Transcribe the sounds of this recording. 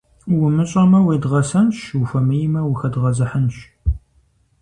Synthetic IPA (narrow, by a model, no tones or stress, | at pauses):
wʊmɨɕʼɐmɐweːdʁɐsɐnʃwufɐmɨjmɐwʊxɐdʁɐzɐħənʃ